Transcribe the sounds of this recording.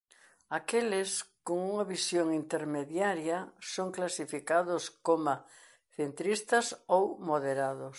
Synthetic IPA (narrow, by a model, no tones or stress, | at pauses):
akelɪskoŋuŋɐβisjoŋint̪eɾmeðjaɾjɐsoŋklasifikaðʊskoma | θent̪ɾist̪ɐsowmoðeɾaðʊs